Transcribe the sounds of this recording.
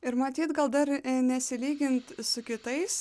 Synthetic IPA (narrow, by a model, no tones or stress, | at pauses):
ɪɾmɐt̪ʲiːt̪ɡɐlˠd̪ɐɾnʲɛsʲɪlʲiːɡʲɪnt̪sʊkʲɪt̪ɐɪs